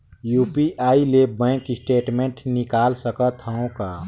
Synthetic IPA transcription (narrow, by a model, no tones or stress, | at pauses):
juːpiʔaːilebɛ̃kɪsʈeːʈmẽɳʈnɪkaːlsəkət̪ʰaõkaː